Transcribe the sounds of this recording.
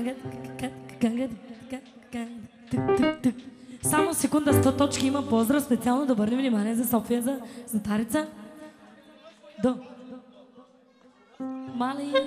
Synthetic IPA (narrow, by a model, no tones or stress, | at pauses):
ɡ̪kaɡaŋɡa | a | t̪t̪t̪samosɛkund̪ast̪ɔt̪ɔt͡ʃkiimɐpɔzd̪ɾafspɛt̪sialˠnod̪ɔbəɾnivnimaniɛzasɔfijazazɐt̪aɾit̪sa | d̪ɔ | mali